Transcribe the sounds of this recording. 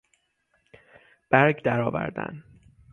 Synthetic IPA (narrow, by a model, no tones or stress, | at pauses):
b̥æɾɡd̪æɾɒːvæ̰ɾd̪æ̰n